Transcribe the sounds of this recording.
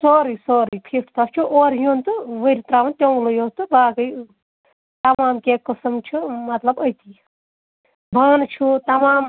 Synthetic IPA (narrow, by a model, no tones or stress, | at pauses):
soːɾisoːɾipʰeːfʈʰt̪ɐft͡ʃʰuʔoːɾjuːnt̪ɨʋəɾit̪ɾaːʋɐnt̪ʲõləjoːst̪ɨbaːɡəj | t̪ɐmaːmkeːkəsɐmt͡ʃʰumɐt̪lɐbəjt̪iː | bʱaːnt͡ʃʰut̪ɐmaːm